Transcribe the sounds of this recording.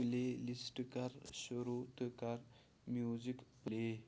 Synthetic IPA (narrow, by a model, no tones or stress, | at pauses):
lelisʈkaɾɕəɾut̪əkaɾ | mjud͡ʑikple